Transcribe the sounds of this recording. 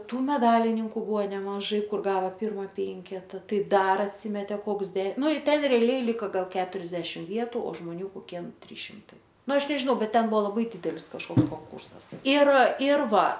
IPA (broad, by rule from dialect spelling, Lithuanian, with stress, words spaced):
ˈtuː mʲɛˈdɑːlʲɪnʲɪŋkʊ ˈbʊʋoː nʲɛmɐˈʒɐɪ ˈkʊr ˈɡɑːʋɐ ˈpʲɪrmɐ ˈpʲɛŋʲkʲɛtɐ ˈtɐɪ ˈdɐr ɐtʲˈsʲiːmʲɛtʲeː ˈkoːks dʲɛ ˈnʊ ɪ ˈtʲɛn rʲɛɐˈlʲɛɪ ˈlʲɪkɐ ˈɡɐlˠ ˈkʲæːtʊrʲɛzʲdʲɛʃʲɪm ˈʋʲiɛtʊ oː ʒmoːˈnʲuː koːˈkʲiɛ ˈtʲrʲiːs ʃʲɪmˈtɐɪ ˈnʊ ˈɐʃ nʲɛʒʲɪˈnɐʊ ˈbʲɛt ˈtʲɛn ˈbʊʋoː lˠɐˈbɐɪ ˈdʲiːdʲɛlʲɪs kɐʃˈkoːks koːŋˈkuːrsɐs ɪr ɪr ˈʋɐ